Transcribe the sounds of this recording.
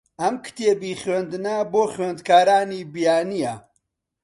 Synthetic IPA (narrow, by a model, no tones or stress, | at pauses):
ʔɐmkʰɨ̥t̪ʰeːbiχɥend̪ɨnɐboːχɥend̪kʰaːɾaːniːbijaːnijɐ